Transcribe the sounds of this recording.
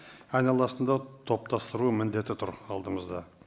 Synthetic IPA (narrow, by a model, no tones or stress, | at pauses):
ɑjnɑlˠɑsənd̪ɑt̪ʰo̞p̚t̪ʰɑst̪əɾuəmɪnd̪e̞t̪ɪt̪ʰʊɾɑlˠd̪əməzd̪ɑ